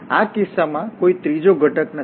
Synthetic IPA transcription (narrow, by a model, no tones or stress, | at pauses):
akɪsːamãkoit̪ɾid͡ʒoɡʱəʈəknə